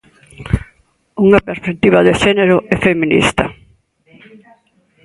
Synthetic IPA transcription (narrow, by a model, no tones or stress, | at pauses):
uŋapeɾspek̚t̪iβɐðeʃɛneɾʊɛfeminḭst̪ɐ